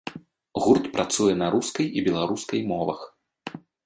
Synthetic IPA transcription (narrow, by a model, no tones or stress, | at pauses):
ɣurt̪pɾʔat̪sujɛnɐɾuskɐjibʲɛlˠaɾuskɐjmɔvɐ̰x